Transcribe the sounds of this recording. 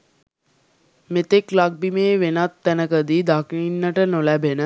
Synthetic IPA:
met̪eklak̚bimeːʋenat̪ːænəkəd̪id̪akninːəʈənolæbenə

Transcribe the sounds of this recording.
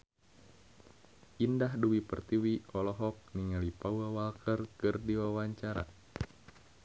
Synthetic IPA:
ʔindahduwipərt̪iwiɔlɔɦɔk̚niŋalipauawalkərkɨrdiwawaɲt͡ʃaɾa̰

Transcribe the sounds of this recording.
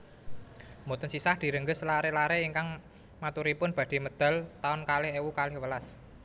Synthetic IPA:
mot̪ənsisahd̪̥i̤ɾəŋɡəslaɾelaɾeiŋkaŋ | mat̪uɾipʊnb̥a̤d̪̥e̤məd̪̥a̤lt̪aʊnkalɪhewukalɪhwəlas

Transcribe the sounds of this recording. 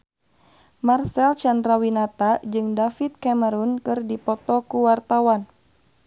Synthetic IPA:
marsɛlt͡ʃandrawinat̪ad͡ʒɨŋdafit̪̚kɛməɾunkɨrdipɔt̪ɔkuwart̪awan

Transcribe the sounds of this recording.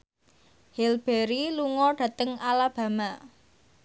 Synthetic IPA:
hilb̥eɾiluŋɔɖ̥ä̤t̪əŋalab̥ä̤ma

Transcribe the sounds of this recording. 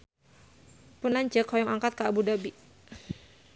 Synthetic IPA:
punlaɲd͡ʒəkhɔjɔŋaŋkat̪̚kaːbudabi

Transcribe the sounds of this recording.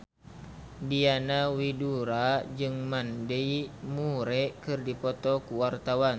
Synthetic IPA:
dianawiduɾad͡ʒɨŋmandɛimuɾɛkɨrdipɔt̪ɔkuwart̪awan

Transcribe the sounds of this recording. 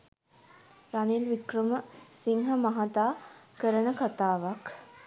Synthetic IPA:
ɾanilʋikrəməsiŋɦamaɦat̪aːkəɾənəkat̪aːʋak

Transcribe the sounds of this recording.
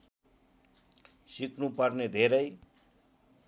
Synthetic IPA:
siknupʌrned̪ʱeɾʌj

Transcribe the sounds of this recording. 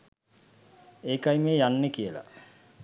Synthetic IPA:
eːkajmeːjanːekijəla̰

